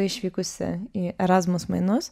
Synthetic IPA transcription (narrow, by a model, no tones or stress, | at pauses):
ɪʃʋʲikʊsʲɛ̰iʔɛɾazmʊsmɐ̰jnɔs